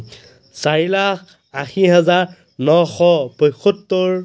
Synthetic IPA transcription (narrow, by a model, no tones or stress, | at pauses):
saɹilakʰ | axiɦɛzaɹ | nɔxɔpɔjxʰɔtːoɹ